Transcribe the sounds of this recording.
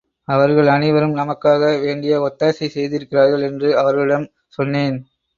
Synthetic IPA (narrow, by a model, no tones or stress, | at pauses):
ɐʋɐɾɣɐɭɐnɪʋɐɾɯmnɐmɐkːaːɣɐʋeːɳɖɪjɐɔt̪ːaːsisɛjðɪɾɯkːɪraːɾɣɐɭɛndrɯɐʋɐɾɣɐɭɪɽɐm | sɔnːeːn